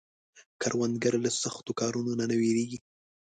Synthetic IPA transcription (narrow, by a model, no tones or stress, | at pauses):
kʰaɾwand̪̚ɡaɾlasaxt̪okɑɾunonanaweɾeɡi